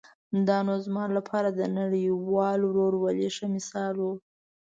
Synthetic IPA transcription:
d̪ɑnozmɑlapʰɑɾad̪ənaɽəwɑlowɾoɽwaleʂamɪsɑlo

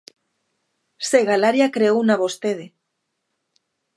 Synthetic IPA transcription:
seɣalaɾjakɾeownaβost̪eðe

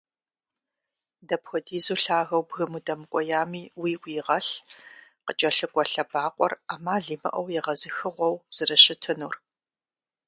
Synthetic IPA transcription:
dɐpxʷɔdiːzuːɬaːɣɐwbɣɨmudɐmɨkʷʼɔjaːmiːwiːwʷiːʁɐɬ | qət͡ʃʼɐɬɨkʷʼɔɬɐbaːqʷʼɔ̰raːmaːɮiːmɐ̰ʔɐwjɛʁɐzɨxɨʁʷɔwz̥ɨrɐɕɪtʰɨnuːr

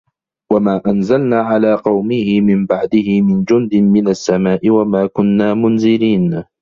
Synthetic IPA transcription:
wamaːʔanzalnaːʕalaːqɑwmɪhɪmɪmbaʕd̪ɪhɪmɪnd͡ʒʊnd̪ɪmɪnasːamaːʔɪwamaːkʊnːaːmʊnzɪɾiːn

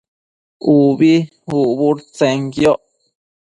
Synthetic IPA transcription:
uβi | uʔβuɾt͡sẽŋɡjoʔ

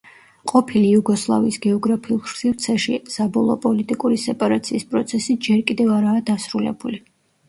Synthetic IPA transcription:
qʼɔpʰiliuɡɔslˠa̰vḭːsɡɛɔɡɾapʰiulˠʃsivɾt̪sʰɛʃisabɔlˠɔ̰pʼɔlit̪ʼikʼuɾisɛpʼaɾat̪sʰiːspʼɾɔt̪sʰɛsid͡ʒɛɾkʼid̪ɛvaɾaːd̪asɾulɛ̰buli

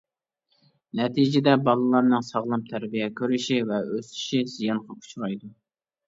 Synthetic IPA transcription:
nɛt̪ʰid͡ʒɪd̪ɛbɑlˠɨlˠɑɾnɨŋsɑʁlˠɨmt̪ʰæɾbijɛkʲʰøɾyʃivɛøsy̥ʃizijɑnqʰɑkʰu̥t͡ʃʰuɾɑjd̪u

